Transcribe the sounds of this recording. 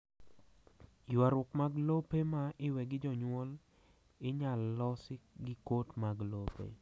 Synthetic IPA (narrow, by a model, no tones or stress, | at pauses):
jwaɾʊkmaɡlopemaʔɪwɛɡɪd͡ʒɔɲwɔl | ɪɲalːɔsɪɡɪkotmaɡlopḛ